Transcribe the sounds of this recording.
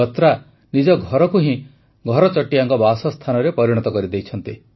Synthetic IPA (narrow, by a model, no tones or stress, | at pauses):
ɔt̪ɾa | nid͡ʒɔɡʱɔɾɔkuɦĩ | ɡʱɔɾɔt͡ʃɔʈːiaŋkɔbasɔst̪ʰanɔɾepɔɾiɽ̃ɔt̪ɔkɔɾid̪ejt͡ʃʰɔnt̪i